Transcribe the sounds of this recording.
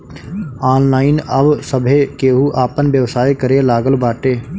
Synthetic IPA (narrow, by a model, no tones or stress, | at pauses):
aːnlaːɪnəbsəbʱekeːɦuʔaːpənʋjəʋsaːikəɾelaːɡəlbaːʈeː